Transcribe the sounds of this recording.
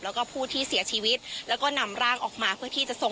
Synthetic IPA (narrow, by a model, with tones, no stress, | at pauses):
lɛː˦˥wkɔː˥˩pʰuː˥˩t̪ʰiː˥˩si˨˩˦ɐt͡ɕʰiː˧wi˦˥t̪̚lɛː˦˥wkɔː˥˩na˧mɾaː˥˩ŋʔɔː˨˩k̚maː˧pʰɯ˥˩ɐt̪ʰiː˥˩t͡ɕa˨˩ʔso˨˩